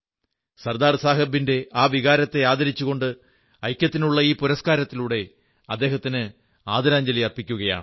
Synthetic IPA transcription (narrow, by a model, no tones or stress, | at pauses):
sɐrd̪aːrsaːɦɐbːinde̞ʔaːʋiɣaːɾɐt̪ːe̞aːd̪ɐɾit͡ɕːuɣo̞ɳɖɨ | ɐjkʲːɐt̪ːinuɭːɐiːpuɾɐskaːɾɐt̪ːiluːɽe̞ | ɐd̪ːe̞ːɦɐt̪ːinɨ | aːd̪ɐɾaːɲd͡ʑɐlijɐrpikʲːuɣɐja̰ːɳ